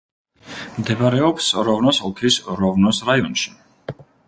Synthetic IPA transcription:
md̪ɛbaɾɛɔpsɾɔvnɔsɔt̪ʰisɾɔvnɔsɾaiɔnʃi̥

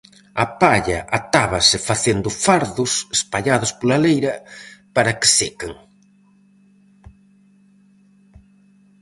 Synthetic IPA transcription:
ɐpaʎɐʔat̪aβɐsɪfaθend̪ʊfaɾðʊsespaʎaðʊspolalejɾɐpaɾɐkɪ̥sekeŋ

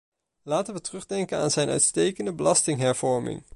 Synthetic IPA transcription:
laːtənʋətrɵχdɛŋkənaːnzɛjnʔœ̰ɥtstejkəndəbəlɑstɪŋɦɛɹv̥ɔɹmɪ̰ŋ

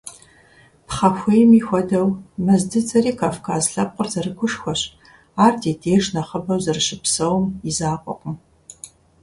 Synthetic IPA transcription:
pχɐpxʷejmiːxʷɔdɐwmɐzdɨt͡sʰʼɐɾiːkʰaːfkʰaːzɬɐp̚qʷʊrzɐrɨkʷʰʊʂxʷɔɕ | aːrdʰeːdeːʒnɐχɐbɐwzɐrʃɪpsɐwmizaːqʷʼɔ̰qʷʊ

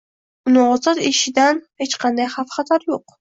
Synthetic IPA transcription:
ʊnɨɴɒzɑt̪ɪʃɪd̪anhet͡ʃqʰɑnd̪ajχafχɑt̪ʰaɾjoq

